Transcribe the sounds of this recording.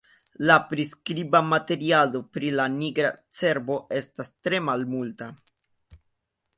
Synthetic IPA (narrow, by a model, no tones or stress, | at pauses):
lapɾiskɾibamate̞ɾialo̞pɾilaniɡɾat͡se̞ɾbo̞ʔe̞stastɾe̞malmulta